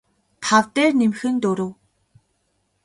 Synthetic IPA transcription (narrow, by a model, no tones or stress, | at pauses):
t̪ʰawt̪æːrnemxɘ̆nt̪ɵɾɘ̆w